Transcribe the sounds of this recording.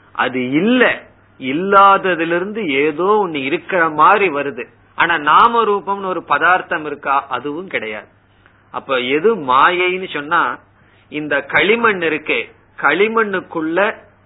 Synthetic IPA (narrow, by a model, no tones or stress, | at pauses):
ʔɐ̰ðɯɪlːɐ | ɪlːaːðɐðɪlɪɾɯnd̪ɯeːðoːɔnːɯɪɾɯkːɐrɐmaːd̪ɾiʋɐɾɯðɯ | ʔa̰ːnaːnaːmɐɾuːpɐmnɔɾɯpɐðaːɾt̪ɐmɪɾɯkːaːʔɐðɯʋɯ̃mkɪɽɐja̰ːðɯ | ɐ̰pːoːɛðɯmaːjɐɪnɯsɔnːaː | ɪnd̪ɐkɐɭɪmɐɳːɪɾɯkːe | kɐɭɪmɐɳːɯkːɯɭːɐ